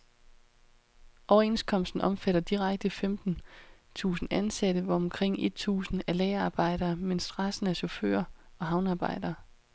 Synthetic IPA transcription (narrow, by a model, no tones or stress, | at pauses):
ʔɒʊɐe̝nskʰɒ̽m̰sd̥n̩ʔɒ̽mfæɾ̥ɐd̥iʁäɡ̥̚d̥əfemd̥n̩ | t͡sʰṵːsn̩ænsæɾ̥əʋɒ̽ɒmkʰʁeŋ̰e̝d̥̚t͡sʰṵːsn̩ælɛːɐɑ̈ːb̥ɑ̈ɪ̰ɾɐːmensd̥ʁɑsn̩æɕofø̰ːɐɒ̽ɦɑ̈ʊnɑ̈ːb̥ɑ̈ɪ̰d̥ɐː